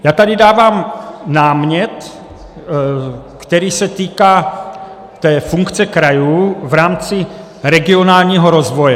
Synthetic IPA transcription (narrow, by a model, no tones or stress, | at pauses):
jaːt̪adɪdaːvaːmnaːmɲɛt̪ | kt̪ɛɾiːsɛt̪iːkaː | t̪ɛːfuŋkt͡sɛkɾajuːvɾaːmt͡sɪ | ɾɛɡɪonaːlɲiːɦoɾozvojɛ